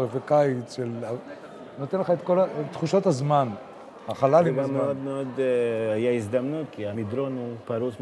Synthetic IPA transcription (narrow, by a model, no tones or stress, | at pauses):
evekaitʃela | not̪enleχaet̪ko̞lat̪χuʃo̞t̪hazman | haχalalibameod̪meod̪ajaizd̪amnut̪̚kiamid̪ɾonupaɾus